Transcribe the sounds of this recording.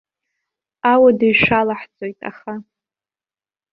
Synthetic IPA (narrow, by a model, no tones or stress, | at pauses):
awadajʂalaħt͡sʼojtʼa̰χa